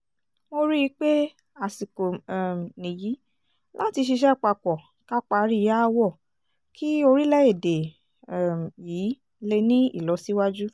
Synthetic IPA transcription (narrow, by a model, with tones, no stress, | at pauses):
mo˧ɾi˦i˧˦k͡pe˦ | a˨si˨ko˨nĩ˨ji˨˦ | la˦ti˧ʃ̬i˧ʃ̬ɛ˦˨k͡pa˧˨k͡pɔ˨ | ka˦k͡pa˧˦ɾi˦˧ja˦˧wɔ˦˨ | kʰi˦o˧ɾi˦lɛ˦e˦˨de˨ | jiː˨˦ | le˧nĩ˦ḭ˦˨lɔ˨˦si˦wa˦d͡ʒu˦